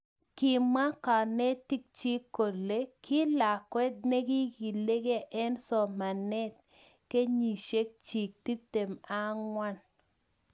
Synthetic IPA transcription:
kɪ˨ma˦ka˨nɛ˦ti˦k̚t͡ʃi˦ko˨le˦kʰɪ˦la˨kwɛ˦d̚ne˦ɡi˦ɡi˨le˦ɡe˦ʔɛ˦nsɔ˨ma˨nɛ˦t̚ | ke˦ɲi˨ʃe˦k̚t͡ʃi˨k̚ti˦p̚te˨ma˦ŋwa˦n

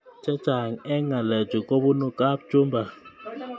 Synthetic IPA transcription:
t͡ʃɛ̥˦t͡ʃa˨ŋɛ˦ŋa˨lɛ̥˨d͡ʒ̥ʱi˨kʼo˦ɓu˦nu˦kʼa˦ɓ̥̚t͡ʃʼu˦mbʱa˨

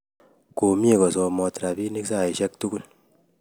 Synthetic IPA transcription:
ko˨mje˦kɔ˨sɔ˧mɔ˧tɾa˨pi˦ni˦ksa˦˨i˨ʃɛ˦k̚tu˦ɡu˦l

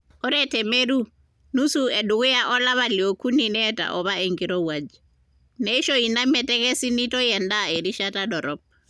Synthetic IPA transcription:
ɔ˦ɾɛtɛ˨me˦ɾu˦ | nu˦su˦ɛ˨ɗu˨ɣu˦jaʔɔ˦la˦βa˨li˨ɔ˨kʰu˦ni˨nɛtʼa̰ʔɔ˨βae˨ŋɡiɾɔ˦wad͡ʒi | nɛi˦ʃɔi˨na˦mɛ˨tɛ˦kɛ˦si˦nitɔ˦jɛ˨ndae˨ɾi˦ʃataɗɔ˨ɾɔp̚

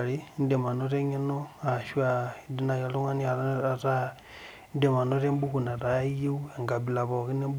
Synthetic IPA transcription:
ɾi˦ndɛ˨ma˨no˦ɾɛ˦ɲe˦nɔ˦a˨ʃu˦a˨di˦na˨ja˨lo˦ŋa˦ni˦a˨ɾɾa˦ | ndɛ˨ma˨no˦ɾe˦mbu˦ku˨na˨ɾa˨˦ji˦u˦ɛ˨ŋɡa˨bi˨la˨βɔ˨ɣi˦ne˦mb

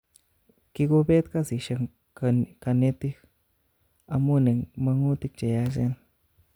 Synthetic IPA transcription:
ki˧ɡo˦be˦t̪ka˦si˨ʃa˧ | ka˧ne˧t̪i˦k | a˧mu˦ne˨ŋma˧ŋu˦t̪i˦k̚t͡ʃe˨ja˧ʃe˦n

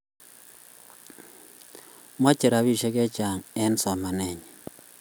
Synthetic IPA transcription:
ma˦t͡ʃe˨ɾa˨˦βi˦˨ʃe˦kɛ˦t͡ʃa˨ŋɛ˦nsɔ˨ma˨nɛ˨ɲ

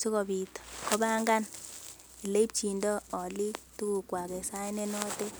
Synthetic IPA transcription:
su˦kɔ˨bi˨tɔ̥˨kɔ˦ba˦ŋɡa˦n | i˨le˦p̚t͡ʃi˨ndɔ˦ɔ˨li˦tu˦ku˨kwa˨kɛ˨sa˦ne˦nɔ˦te˦

